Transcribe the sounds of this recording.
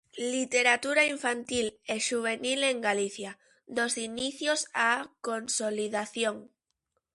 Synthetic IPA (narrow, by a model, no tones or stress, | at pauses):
lit̪eɾat̪uɾaiɱfant̪ileʃuβ̞e̞nile̞ŋɡaliθja | d̪o̞ziniθjosako̞nsoliðaθjoŋ